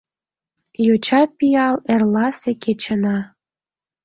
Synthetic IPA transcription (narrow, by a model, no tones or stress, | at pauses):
jot͡ɕɑpijɑlerlɑseket͡ɕənɑ